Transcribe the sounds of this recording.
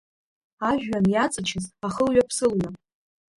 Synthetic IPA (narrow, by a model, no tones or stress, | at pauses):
aʒᶣɥanjat͡sʼɨt͡ʃʰɪzaχəlɥapʰsɨlɥa